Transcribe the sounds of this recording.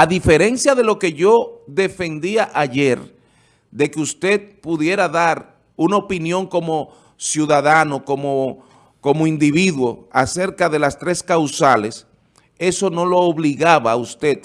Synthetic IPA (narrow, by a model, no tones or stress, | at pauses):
aðife̞ɾe̞nsjaðe̞lo̞ke̞ʝo̞ðe̞fe̞nd̪iaʔaʝe̞ɾ | d̪e̞keust̪e̞d̪̚puðje̞ɾaðaɾ | unaopinjo̞ŋko̞mo̞ | sjuðaðano̞ko̞mo | ko̞moind̪iβiðwo̞ase̞ɾkaðe̞last̪ɾe̞skawsale̞s | e̞so̞no̞lo̞ːβliɣaβaust̪e̞t̪̚